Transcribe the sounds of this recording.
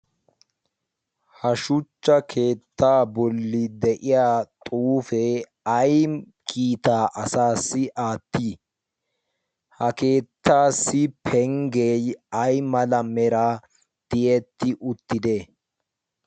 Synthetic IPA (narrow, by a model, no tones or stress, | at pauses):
hɐʃʊt͡ʃːɐkʰe̞ːt̪ːaːbɔlːɪd̪ɛʔɪjaːt̪ʼuːfɛ | ɐj | kʼiːt̪aːʔɐsaːsːɪʔaːt̪ːiː | hɐke̞ːt̪ːaːsːɪpʰɛŋɡejɐjmɐlɐmɛɾa | t̪ɪjɛt̪ːɪʔʊt̪ːɪd̪eː